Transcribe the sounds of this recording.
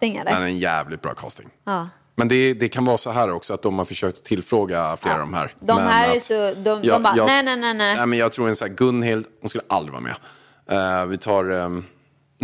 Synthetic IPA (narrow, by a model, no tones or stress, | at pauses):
ɪŋa̰mɛnæɾɛnjæ̰ːvlɪt̪̚bɾɑ̰ːkʰɑ̰ːst̪ɪ̰ŋɑː | mɛnd̪ɛd̪ɛkʰanvɑːsɔɦæːɾɔksɔat̪̚d̪ɔmhaɾfəʂøːk̚t̪ɔ̥t̪ʰɪlfɾoːɡafleːɾa̰vd̪ɔmɦæ̰ːɾd̪ɔmɛhæːɾæsɔd̪ɔɔjɑnɛnɛnɛnɛnɛmɛnjɑːɡ̚t̪ʰɾuːɾɛnsæːɡɵnːhɪld̪hʊnskɵlːəʔald̪ɾɪvɑ̰ːmʔɛ̰ | vɪt̪ʰɑːɾ